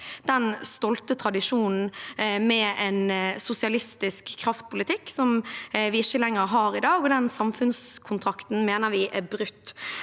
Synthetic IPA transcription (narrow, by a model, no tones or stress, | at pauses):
d̪̥ɛnst̪ɔlt̪ət̪ʰɾɑd̪ɪʂuːnn̩mɛɛnsʊsɪɑlɪst̪ɪskʰːɾɑft̪̚pʰʊlɪt̪ʰɪkːsɔmʋɪɪçːəlɛŋːəɾɦɑːɾɪd̪ɑːɡɔd̪ɛnsɑmfʉnskʰʊnt̪ʰɾɑkt̪n̩meːnəɾʋɪʔæbɾʉt̪ː